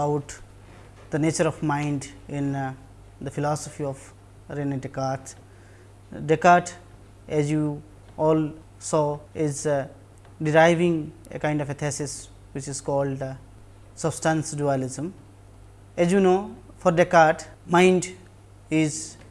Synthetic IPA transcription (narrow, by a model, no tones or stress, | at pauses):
baʊʈ | d̪əneːt͡ʃəɾɔfmãɪ̃ɳɖɪ̃n | d̪əfɪlɔːsɔfiɔf | ɾeneʈɪkaːt̪ʰ | ɖekaːɾʈʰ | ɛzju | ɔːl | sɔːɪz | ɖɪɾaɪʋɪ̃ŋḛkãɪ̃ɳɖɔfet̪ʰesɪs | wɪt͡ʃɪzkɔːlɖ | səbsʈãnsɖualɪzə̃m | ɛzjunoː | fɔɾɖekaʈ | mãɪ̃ɳɖ | ɪz